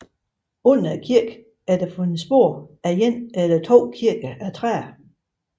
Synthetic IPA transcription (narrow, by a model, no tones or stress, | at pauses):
ɔn̰ɐkʰiɐɡ̥ | æɐd̥æfɔ̽nsb̥o̝ɐ̰æjenæd̥ɐt͡sʰo̝̰ːkʰiɐɡ̥ɐʔæt͡sʰʁɛ̰ːɐ